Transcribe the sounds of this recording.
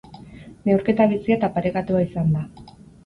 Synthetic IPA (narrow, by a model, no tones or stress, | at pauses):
neuwɾke̞t̪aβ̞isiat̪apaɾekat̪uaisand̪a